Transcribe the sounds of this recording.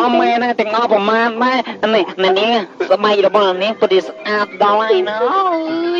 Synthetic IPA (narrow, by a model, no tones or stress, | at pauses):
ɑmːɛːnaŋt̪ɛ̆əŋʔɑprɑmaːnɗaɛnɛənɛ̆əʔniəŋasaɓaɛk̚rɔɓɑhnɛʔniəŋpət̪̚t͡ɕiəsʔaːt̪̚ɗɑlajnə